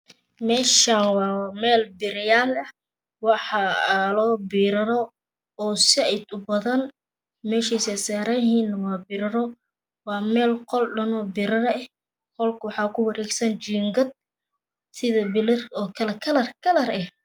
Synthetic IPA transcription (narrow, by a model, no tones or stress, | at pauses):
mɛːʃaːnwɑːmɛːlbɪɾɪjaːlɐh | wɑħɑlɔːbiːɾɐɾɔ | ɔːsɪɛjd̪ʊbɐðɐn | mɛːʃiːsɛsaːɾɐjɦhiːnɐwɑːbɪɾɐɾɔ | wɑːmɛːlqɔlɖɐnɔːbɪɾɐɾɛh | kɔlkʰʊwɑħɑːkʰʊwɐɾɛːɡsɐnt͡ʃiːŋɡɐd̪̚ | sɪðɐbɪlɐrɔːkʰɐlɛkʰɐlɐrkʰɐlɐrɛh